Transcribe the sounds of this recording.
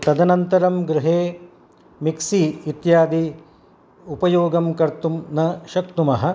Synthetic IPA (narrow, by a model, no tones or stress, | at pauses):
t̪ɐd̪ɐnɐnt̪ɐɾɐmɡɾɪɦeː | miksiːt̪jaːd̪i | upɐjoːɡɐmkɐɾt̪umnɐʃɐk̚t̪umɐɦɐ̆